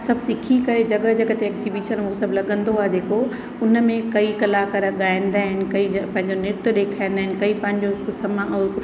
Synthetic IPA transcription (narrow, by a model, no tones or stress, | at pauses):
sɐbʱsɪkʰikɐɾed͡ʑɐɠəd͡ʑɐɡət̪eɛːkzibiːʃənɦosɐbʱlɐɠə̃nd̪oaːɦed͡ʑeːko | ʊnmẽkɐikɐlakɐɾəɠaːɪ̃nd̪aːɦɪnɪ̆kɐipɐ̃ɦɪ̃ɲ̆d͡ʑonɪɾt̪ʊɗ̪eːkʰaːɪjnd̪aɦɪnɪ̆kɐipɐ̃ɦɪ̃ɲd͡ʑokʊsəm